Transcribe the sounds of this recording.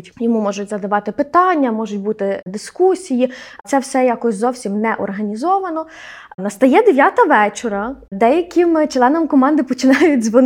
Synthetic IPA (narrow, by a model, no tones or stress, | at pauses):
tʲjɔmumɔʒʊtʲzɐd̪ɐʋɑt̪ɪpɪt̪ɑnʲːɐmɔʒʊtʲbut̪ɪd̪ɪskusʲijit̪sɛwsɛjakɔsʲzɔwsʲimnɛʔɔrɦɐnʲizɔʋɐnɔ | nɐst̪ɐjɛd̪eʋʲjat̪ɐʋɛt͡ʃɔɾɐd̪ɛjɐkʰʲɪmt͡ʃlˠɛnɐmkɔmɑnd̪ɪpɔt͡ʃɪnɑjʊtʲzʋɔn